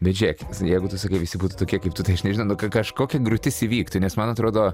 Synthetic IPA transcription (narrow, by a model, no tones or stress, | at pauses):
bʲɛt̪d͡ʒʲɛkʲsjɛɪɡʊt̪ʊsɐkɐɪʋʲɪsʲɪbuːt̪uːt̪oːkʲiɛkɐɪpt̪ʊt̪ɐɪɐʃnʲɛʒʲɪnɐʊnʊkɐkɐʃkoːkʲɛɡɾʊt̪ʲɪsɪʋʲiːkt̪ʊnʲɛsmɐnɐt̪ɾoːd̪oː